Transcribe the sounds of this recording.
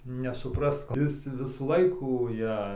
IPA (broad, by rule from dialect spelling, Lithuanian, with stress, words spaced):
nʲɛsʊˈprɐst ˈɪs tʲɪ ˈʋʲɪsuː ˈlˠɐɪkuː ˈjɛ